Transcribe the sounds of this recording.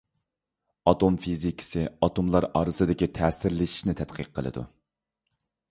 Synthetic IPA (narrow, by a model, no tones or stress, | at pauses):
ɑt̪ʰomfizikʲʰi̥sɪɑt̪ʰomlˠɑɾɑːɾɨsɨd̪ɪkʲit̪ʰɛːsɪɾlɪʃi̥ʃnɪt̪ʰɛt̪qʰəqʰːə̰lˠɨ̰d̪ṵ